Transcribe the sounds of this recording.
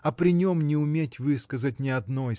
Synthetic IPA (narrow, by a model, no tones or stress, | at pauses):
ɐpɾʲɪnʲo̞mnʲɪʊmʲetʲvɨskəzətʲnʲɪɐd̪no̞